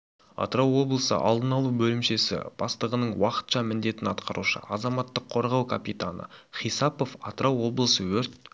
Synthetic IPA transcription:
ɑ̰t̪ɾɑwo̞blˠəsə̰ʔɑ̰lˠd̪ənɑlˠubɵlɪmʃe̞sɪ̰b̥ɑst̪əʁənəɴwɑqə̥t̪ʃɑmɪnd̪e̞t̪ɪnɑt̪qɑɾuʃə̰ɑzɑmɑt̪ːəqʰːo̞ɾʁɑwkʰapit̪anə̰χijsɑpo̞fɑt̪ɾɑwːo̞blˠəsəwɵɾt̪̚

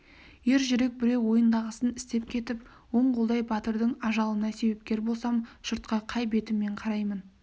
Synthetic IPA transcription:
je̞ɾʒʏɾe̞k̚bɪɾe̞wwo̞jənd̪ɑʁəsənɪst̪e̞p̚kʲʰe̞t̪ɪp | wo̞ɴqolˠd̪ɑjbɑt̪əɾd̪əɴɑʒɑlˠənɑse̞be̞p̚kʲe̞ɾbo̞lˠsɑmʃəɾt̪̚qɑqʰɑjbe̞t̪ɪmːe̞ɴqʰɑɾɑjmən

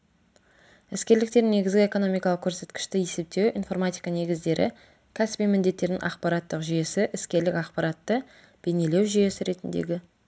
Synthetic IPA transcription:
ɪskʲe̞ɾlɪk̚t̪e̞ɾne̞ɡʲɪzɡʲɪeko̞no̞mijkɑlˠəqkʲʰːɵɾse̞t̪kʲɪ̥ʃt̪ɪje̞se̞p̚t̪e̞wḭnfo̞ɾmat̪ijkɑne̞ɡʲɪzd̪e̞ɾʔɪ̰ | kʲʰæsɪ̥bijmɪnd̪e̞t̪ːe̞ɾd̪ɪ̰ŋʔɑ̰qpɑɾat̪ːəqʒʏje̞sɪʔɪskʲe̞ɾlɪkɑqpɑɾɑt̪ːə | b̥ene̞le̞wʒyje̞sɪɾe̞t̪ɪnd̪ḛɡʲɪ

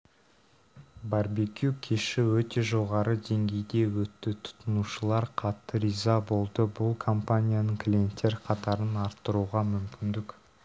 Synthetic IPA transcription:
baɾbekʲjukʲʰeʃɪwɵt̪e̞ʒo̞ʁɑɾəd̪e̞ŋɡʲe̞jd̪e̞wɵt̪ːɪt̪ʰʊ̥t̪ənuʃəlˠɑɾqʰɑt̪ːəɾizɑbo̞lˠd̪əbʊlˠkʰo̞mpanʲijanəɴkʰlʲie̞nt̪ːe̞ɾqʰɑt̪ɑɾənɑɾt̪ːəɾuʁɑmʏmkʲɪnd̪ɪk

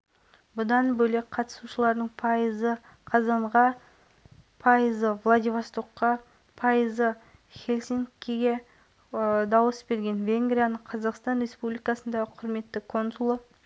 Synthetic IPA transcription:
bʊd̪ɑnbɵlek̚qʰɑt̪ə̥suʃəlˠɑɾd̪əɴzə | qʰɑzɑɴʁɑ | pʰɑjəzəvlˠad̪ʲivast̪oqːɑ | pʰɑjəzə | χʲelʲsʲiŋkʲːeɡʲe̞ | d̪ɑwəsbe̞ɾɡʲe̞nvʲe̞ŋɡɾʲijanəɴqʰɑzɑqst̪ɑnrʲe̞spublijkɑsənd̪ɑʁəqʰʊɾme̞t̪ːɪkʰo̞nsulˠə

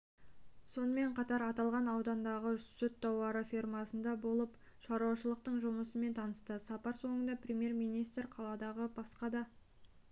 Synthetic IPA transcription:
so̞nəme̞ɴqʰɑt̪ɑɾɑt̪ɑlˠʁɑnɑwd̪ɑnd̪ɑʁəsɵt̪ːɑwɑɾəfirmɑsənd̪ɑbo̞lˠəp | ʃɑɾuwɑʃəlˠəq̚t̪əɴʒʊməsəme̞nt̪ʰɑnəst̪əsɑpɑɾso̞ɴənd̪ɑprʲemje̞rmijnijst̪rqʰɑlˠɑd̪ɑʁəbɑsqɑd̪ɑ

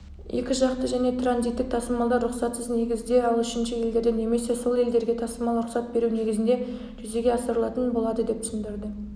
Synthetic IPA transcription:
je̞̰kʲɪʒɑqt̪əʒæne̞t̪ʰranzit̪ːɪk̚t̪ʰɑsəmɑlˠd̪ɑɾɾʊχsɑt̪səzne̞ɡʲɪzd̪eɑlˠʏʃɪnʃɪje̞ld̪e̞ɾd̪ene̞me̞se̞so̞lˠe̞ld̪e̞ɾɡʲe̞t̪ʰɑsəmɑlˠɾʊχsɑt̪̚be̞ɾune̞ɡʲɪzɪnd̪e | ʒʏze̞ɡʲe̞ɑsəɾəlˠɑt̪ənbo̞lˠɑd̪əd̪e̞p̚t̪ʰʏsɪnd̪ɪɾd̪ɪ

